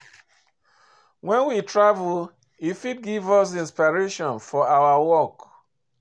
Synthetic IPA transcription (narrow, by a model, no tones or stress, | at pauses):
wɛ̃nwitɹavul | ifid̚ɡivɔs̬ĩnspaɹeʃɔ̃nfɔawawɔk